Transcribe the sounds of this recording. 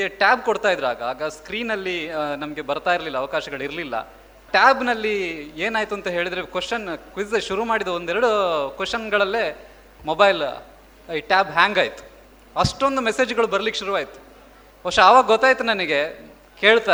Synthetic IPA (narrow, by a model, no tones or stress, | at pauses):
ɡeʈaːbkoɽt̪aːjd̪ɾaːɡɐaːɡɐskɾiːnɐlːinɐmɐɡe̞bɐɾt̪aːjiɾlilːɐːʋɐkaːʃɐɡɐɭiɾlilːɐ̰ | ʈaːbnɐlːieːnaːjt̪uɐnt̪ɐɦe̞ːɭid̪ɾekʋesʃɐnkʋisʃuɾumaːɽid̪ɐond̪ɛɾɐɽukʋesʃɐnɡɐɭɐlːe̞ː | mobɐjl | iʈaːbɦaːŋɡaːjt̪u̥ | ɐʂʈond̪umese̞ːd͡ʒɡɐɭubɐɾɐlikːeʃuɾuʋaːjit̪u̥ | oʂɐaːʋaːɡɐɡɔt̪ːaːjt̪unɐnɐɡe̞ | ke̞ːɭt̪a